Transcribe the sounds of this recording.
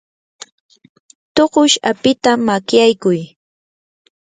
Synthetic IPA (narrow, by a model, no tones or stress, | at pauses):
t̪oɢʊʃapɪt̪amakjajkʊj